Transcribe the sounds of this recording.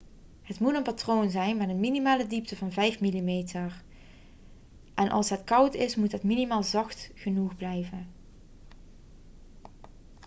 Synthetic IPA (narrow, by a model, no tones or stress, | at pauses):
ɦətmutənpatroːnzɛjnmɛtənminimaːlədip̚təvɑnvɛjfmilimeːtʰəɹ | ʔɛnʔɑ̰lˠsɦətkɑwtɪsmutɦətminimaːlˠzɑxtχənuχblɛjvən